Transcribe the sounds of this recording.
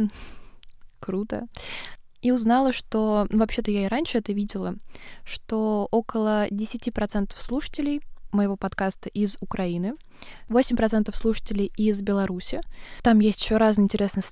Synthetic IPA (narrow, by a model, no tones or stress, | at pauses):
kɾut̪ə̰ | iʊznalˠəʂt̪o̞nuvɐpɕːe̞t̪əjaɪɾanʲʂɨɛt̪əvʲidʲɪlˠəʂt̪oo̞kəlˠədʲɪsʲɪtʲipɾɐt̪sɛnt̪ə̥fslˠuʂə̥tʲɪlʲɪjməjɪvo̞pɐt̪kast̪əʔɪzʊkɾʔɐinɨ | vosʲɪmʲpɾɐt̪sɛnt̪əfslˠuʂə̥tʲɪlʲɪjɪzbʲɪlˠɐɾusʲɪt̪amjesʲtʲɪ̥ɕːo̞ɾaznɨjɪnʲtʲɪɾʲe̞snəj